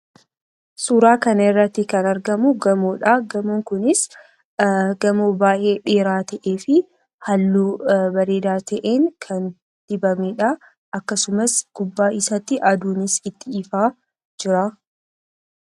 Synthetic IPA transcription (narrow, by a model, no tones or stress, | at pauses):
suːɾaːkɐnɪrːɐt̪ːɪkɐnɐɾɡɐmʊɡɐmoːᶑɐɡɐmoːŋkʊnɪs | ɡɐmoːbaːjʔe̞ːᶑe̞ːɾaːt̪ɐʔe̞ːfɪ | hɐlːuːbɐɾe̞ːd̪aːt̪ʰɐʔeːŋkʰɐn | d̪̥ɪbɐmeːᶑɐ | ʔɐkːɐsʊmɐsɡ̥ʊbːaːɪsɐt̪ːɪʔɐd̪uːnɪsɪt̪ːɪɪfaː | d͡ʒɪɾa